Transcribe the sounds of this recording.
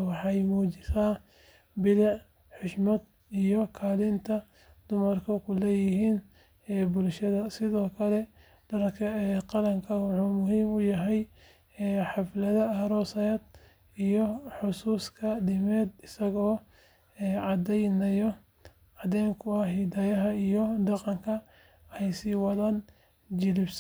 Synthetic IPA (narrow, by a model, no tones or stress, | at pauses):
wɑħɑjmuːt͡ʃɪsaː | bɪlɑʕ | ħʊʃmɐd̪ | ijɔkʰaːlɪnt̪ʰɐ | d̪ʊmɐrkʰɔkʰʊlɛːjɪɪɦiːn | ɛːbʊlʃɐðɐsɪðɔːkʰɐlɛ | d̥ɐɾkʰɐɛqɑlɐŋkʰɐwɑħuːmʊɦiːmʊjɐɦɛj | ɛːħɑflɐðɐɐɾɔːsɐjɛːd̪̚ | ijɔħʊsuːskʰɐɖɪmɛːd̪ɪsɐɣɔː | ɛːʕɑd̪ɛjnɐjɔ | ɑd̪ɛːŋkʰʊɐɦid̪ɐjɐɦɐijɔd̪ɑqɑŋkʰɐ | ɛjsiːwɑðɐn | d͡ʒɪlɪbs